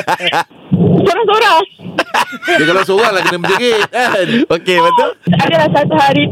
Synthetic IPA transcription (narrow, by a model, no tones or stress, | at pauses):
soɾaŋsoɾa | d͡ʒakalaws̬oɾaŋlahkənaməd͡ʒaɡit̪̚əokebət̪uladalahsat̪uɦaɾi